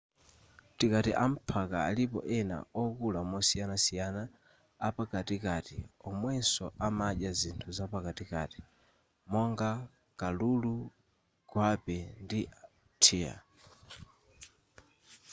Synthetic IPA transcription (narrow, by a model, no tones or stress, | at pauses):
tikatiʔam̩pʰakaa̰lipɔ̰ʔɛna̰ɔkulamɔsijanasijanaː | pakatikatḭɔmwɛnsɔʔamaɗazintʰuzapakatika̰ti̥ | mɔŋɡa | kalulu | ɡ̥wapɛndi | tʰiːa̰